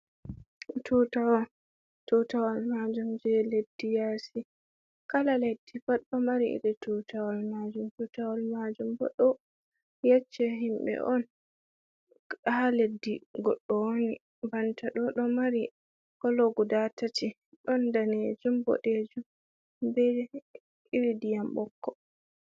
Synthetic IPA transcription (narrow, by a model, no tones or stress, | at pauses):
tutaw | tutawalmad͡ʒumd͡ʒɛledːijasi | kalaledːifaɗɔmaɾiḭɾɛtutawalmad͡ʒumtutawalmad͡ʒumbɔ̰ɗɔ | jɛt͡ʃːɛɦimbɛ̰ʔɔn | haledːiɡɔɗːɔwoni | bantaɗɔɗɔmaɾi | kɔloɡudatati | ɗɔndaned͡ʒumbɔ̰ɗed͡ʒu | bɛ | iɾidijambɔkːɔ